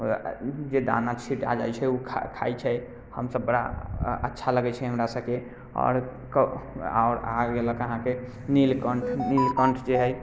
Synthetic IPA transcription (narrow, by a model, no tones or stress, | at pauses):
d͡ʒed̪a̰nat͡ʃʰiʈa̰d͡ʒa̰jt͡ʃʰɛukʰkʰa̰jt͡ʃʰɛ | həmsəbːəɽa̰ətːʃʰaləɡɛt͡ʃʰɛɦəmɾasəbke | ɔ̰ɾ | ka̰ʊɾaɡeləkəɦãke | nilkəɳʈʰnilkəɳʈʰd͡ʒeɦəj